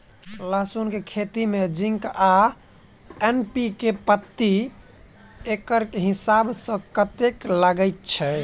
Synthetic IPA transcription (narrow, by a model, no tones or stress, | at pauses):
ləɦsunkekʰet̪imed͡ʒiŋka | enpikepət̪ːi | ekəɾkeɦisabsə̃kət̪ekləɡəɪt̪̚t͡ʃʰɛ